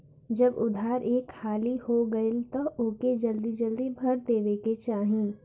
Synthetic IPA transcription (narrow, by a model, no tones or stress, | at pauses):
d͡ʒɐbʊd̪ʱaːɾʔeːkhaːlihoɡɐɪlt̪ɐʊːked͡ʒɐld̪id͡ʒɐld̪ibʱɐɾd̪eːʋeket͡ʃaːɦĩ